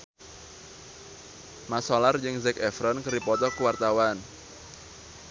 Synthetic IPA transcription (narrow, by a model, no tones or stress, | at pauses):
masɔlard͡ʒɨŋzɛkɛfɾɔnkɨrdipɔt̪ɔkəwart̪awan